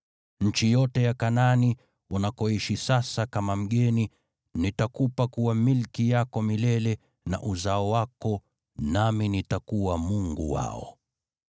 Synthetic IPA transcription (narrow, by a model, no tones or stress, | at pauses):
ɲ̩t͡ʃijɔtɛjakanani | unakɔiʃisasakamam̩ɠɛni | nitakupakuwamilkijakɔmilɛlɛ | na̰ʔuzaɔwakɔ | naminitakuwamuŋɡṵwa̰ɔ̰